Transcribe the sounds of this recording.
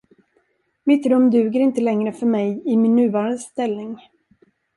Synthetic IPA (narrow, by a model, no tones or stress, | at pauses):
mɪt̪ɾɵmːd̪ʉ̟ːɡəɾɪnt̪əlɛŋɾəfœɾmɛjɪmɪnːʉ̟ːvɑːɾand̪əst̪ɛlnɪŋ